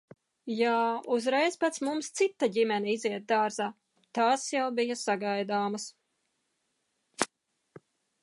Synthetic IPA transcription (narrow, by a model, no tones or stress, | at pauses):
jaːuzɾɛjspat̪smumst̪sit̪ːaɟimɛniiziɛt̪̚d̪aːɾzaː | t̪aːsjawbijɐsaɡajd̪aːmɐs